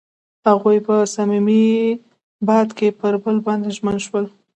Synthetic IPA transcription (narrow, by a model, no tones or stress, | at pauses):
haɣujpəsamimi | bɑd̪kepəɾbəlbɑnd̪eʒmənʃwəl